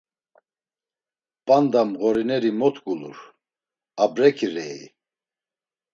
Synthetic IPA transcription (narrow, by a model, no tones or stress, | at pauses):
pʼand̪amɣɔɾinɛɾimɔt̪ʰɡʼulṵɾ | abɾɛkʰiɾɛḭ